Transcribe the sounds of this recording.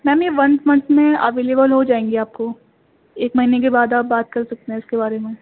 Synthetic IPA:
mɛ̃ːmeʋɐ̃nsmɐ̃nsmẽɐ̰ʋeːleːbəlɦod͡ʒaːẽːŋɡiaːp̚ko | eːkmɐɦinek̬ebaːd̪aːp̚baːt̪̚kɐɾsɐk̚t̪eɦɛ̃ɪskebaːɾemẽ

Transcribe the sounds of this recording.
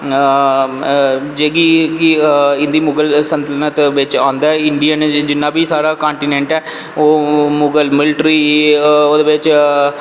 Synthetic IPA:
d͡ʒeːɡiːkɪɪ̃nd̪iːmʊɡəlsənt̪əlnət̪ʋɪt͡ʃãːnd̪aːɛɪɳɖijənd͡ʒɪnːãːbiːsaːɾaːkãːɳʈiːnẽːɳʈɛː | oːmʊɡəlmɪlʈɾiːoːd̪eːbɪt͡ʃ

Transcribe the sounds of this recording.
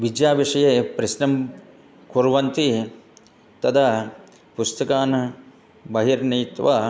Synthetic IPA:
ʋid͡ʒjaːʋiʂɐjeːpɾɐʃnɐm | kuɾʋɐnt̪i | t̪ɐt̪ʰɐ | pust̪ɐkaːnɐ | bɐɦiɾniːt̪ʋɐ

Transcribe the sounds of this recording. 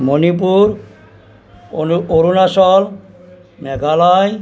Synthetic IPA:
monip̬uɾ | oɾunasɔl | mɛɡʱalaj

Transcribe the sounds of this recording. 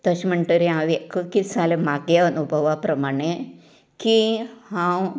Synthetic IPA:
t̪əɕməɳʈəɾiãʋekəkisalemaɡjəənubʱəʋapɾɐmaɽ̃e | kihãw

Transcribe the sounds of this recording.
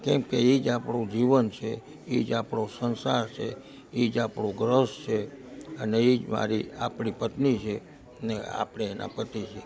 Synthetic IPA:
kɛ̃mkeid͡ʒapɳũd͡ʒiʋənt͡ʃʰe | id͡ʒapɳosənsaɾt͡ʃʰḛ | id͡ʒapɳõɡɾəst͡ʃʰeəneid͡ʒma̰ɾiapɳipət̪nit͡ʃʰe | nea̰pɽ̃eːna̰pət̪it͡ʃʰe

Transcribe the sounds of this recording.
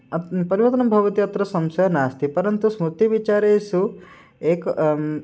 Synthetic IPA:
pɐɾiʋɐt̪ɐnɐmbʱɐʋɐt̪iɐt̪ɾɐsɐmsɐɐnaːst̪ʰipɐɾɐnt̪usmut̪ːiʋit͡ʃaːɾeːsu | eːk

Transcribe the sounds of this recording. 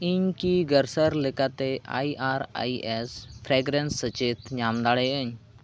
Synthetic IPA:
iɲkiɡəɾsəɾlekat̪eʔa̰ːiʔaːɾa̰ːiespʰɾeːɡɾensət͡ʃeːt̪ɲaːmd̪aːɽeəɲ

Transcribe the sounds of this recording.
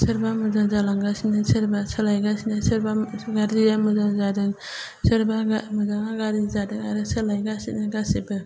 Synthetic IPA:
sɯɾbamɯzaŋzalaŋɡasinɯsɯɾbasɯlajɡasinasɯɾbaɡaɾzijamɯzaŋzadɯŋ | sɯɾbaɡamɯzaŋaɡaɾizadɯŋaɾɯsɯlajɡasitnɯɡasibɯ

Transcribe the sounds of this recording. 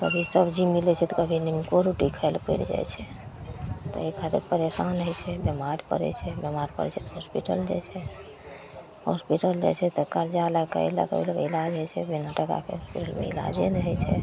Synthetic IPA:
kə̰bʱisəbʱd͡ʒimilɛt͡ʃʰɛt̪ɔkəbʱinimkoɾuʈikʰəɪlpə̰ɾd͡ʒa̰jt͡ʃʰɛ | t̪ɔ̰ekʰat̪iɾpəɾesanɦəjt͡ʃʰɛbjəmaɾpə̰ɾɛ̰t͡ʃʰɛbjəmaɾpə̰ɾɛ̰t͡ʃʰɛt̪ɔɦospiʈə̰ld͡ʒa̰jt͡ʃʰɛ | hɔspiʈəld͡ʒa̰t͡ʃʰɛt̪ɔkəɾd͡ʒalakə̰jla̰kə̰bʱiləɡəilad͡ʒɦəjt͡ʃʰɛ̰binaʈəka̰kḛɦospiʈəlmḛḭla̰d͡ʒenɦəjt͡ʃʰɛ̰

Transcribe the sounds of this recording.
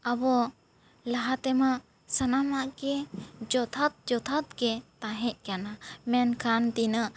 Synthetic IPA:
abɔ | laɦat̪ɛmaʔ | sanamaʔkɛd͡ʒɔt̪ʰat̪̚d͡ʒɔt̪ʰat̪kɛt̪aɦɛc̚ˀkanamɛnkʰant̪inəʔ

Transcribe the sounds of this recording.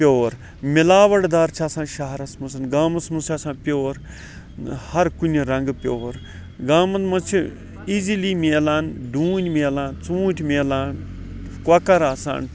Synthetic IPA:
pʲjoːɾ | milaːʋɐɽd̪aːɾt͡ʃʰaːsãːnʃɐɦɐɾɐsmɐsɐnɡaːmɐsmɐst͡ʃʰaːsãːnpʲoːɾ | hɐɾkunʲiɾɐŋɡpʲjoːɾ | ɡaːmɐnd̪mɐt͡ʃʰi | iziliːmʲeːlaːnɖũːnʲmeːlaːnt͡sũːʈʰʲmeːlaːn | kwɐkɐɾaːsa̰ːn

